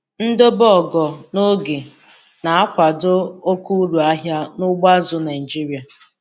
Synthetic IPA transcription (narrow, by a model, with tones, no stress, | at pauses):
n̩˦do˦bɔ˦˨ɡɔ˨no˦ɡe˨ | na˨a˦kʷa˨do˦o˦ku˦ɾu˨a˦ɦja˦nʊ˦ɡ͡ba˦zʊ˨˦na˨i˨d͡ʒi˦ɾi˦a˨